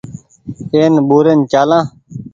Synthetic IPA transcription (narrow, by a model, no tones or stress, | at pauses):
eːnɓuːɾent͡ʃaːlãː